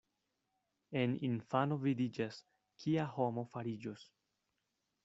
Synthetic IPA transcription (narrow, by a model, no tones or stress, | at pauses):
e̞ninfano̞vidid͡ʒas | kʰiaho̞mo̞faɾid͡ʒos